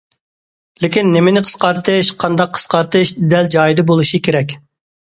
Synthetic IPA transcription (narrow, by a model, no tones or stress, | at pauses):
lɪkʲinːemɪnɪqʰə̥sqɑɾt̪ʰɨʃqʰɑnd̪ɑqʰə̥sqɑɾt̪ʰɨʃd̪ɛld͡ʒɑːjid̪ɨbolˠuʃikʲeɾɛkʲ